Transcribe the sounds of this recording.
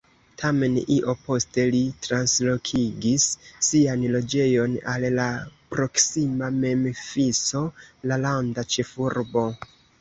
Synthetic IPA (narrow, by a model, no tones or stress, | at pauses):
tʰame̞niʔo̞po̞ste̞litɾanslo̞kʰiɡisːianlo̞d͡ʒe̞jo̞nallapɾo̞ksimame̞mfiso̞lalandat͡ʃe̞fuɾbo̞